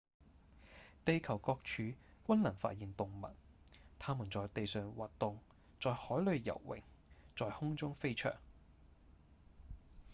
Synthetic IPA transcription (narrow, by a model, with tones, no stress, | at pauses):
t̪e˧jkʰɐ˨˩wkɔː˧k̚t͡ʃʰyː˨˧kʷɐ˥nlɐ˨˩nfa̰ː˧t̚jiː˨nt̪ʊ˨ŋmɐ̰˨˩t̚t̪ʰaː˥mu˨˩nt͡sɔː˨jt̪e˨jsœː˨ŋwaː˨tt̪ʊ˨ŋ | t͡ʃt͡sɔː˨jhɔː˨˥jlɵ˨˧ɥjɐ̰˨˩wːɪ̰˨˩ŋ | t͡sɔː˨jhʊ˥ŋt͡sʊ˥ŋfe˥jt͡ʃʰœ̰ː˨˩ŋ